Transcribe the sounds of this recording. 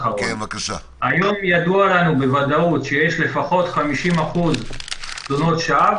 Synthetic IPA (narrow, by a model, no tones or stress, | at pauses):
χaʁon | ajo̞mjad̪ualanube̞vad̪autʃejeʃle̞faχo̞t̪χamiʃimaχuzzono̞tʃaa